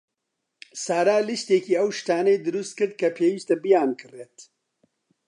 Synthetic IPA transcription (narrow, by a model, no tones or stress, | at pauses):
saːɾaːlist̪eːkiːɐwʃt̪aːnɐjd̪ɨɾust̪̚kɨɾd̪̚kʰɐpʰeːwist̪ɐbijaːnkʰɨreːt̪